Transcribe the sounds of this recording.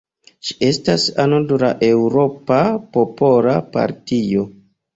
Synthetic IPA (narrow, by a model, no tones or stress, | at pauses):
ʃi̥e̞stasanoduɾaʔe̞wɾo̞papopo̞lapa̰ɾtio̞